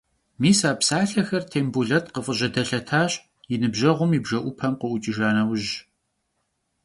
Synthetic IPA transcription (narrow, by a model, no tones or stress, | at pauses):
miːsaːpsaːɬɐxɐrtʰeːmbuɮɐtʼqəfʼəʑɐdɐɬɐtʰaːɕ | jɪnɨbʑɐʁʷʊmibʒɐʔʷʊpʰɐmqəʔʷʊt͡ʃʼɪʒaːnɐwʑ